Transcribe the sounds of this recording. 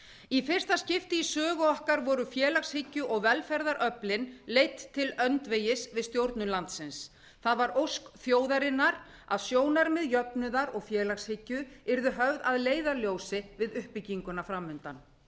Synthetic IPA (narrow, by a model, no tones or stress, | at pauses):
ifɪr̥st̪ascɪft̪ɪisœːɣʏɔhkaɾvɔɾʏfjɛːlaxshɪcːʏʔɔɣvɛlfɛɾðaɾʔœplɪnlejt̪ʰːɪlœnt̪vejɪsvɪðst̪jowɾt̪nʏlant̪sɪns | θaðvaɾowskθjoːwðaɾɪnːaɾ | a̰ðsjoːwnaɾmɪðjœpnʏðaɾɔɣfjɛːlaxshɪcːʏɛɾðʏɦœvðaðleːjðaljoːwsɪvɪðʏhpɪciŋkʏnafɾamːʏnt̪a̰n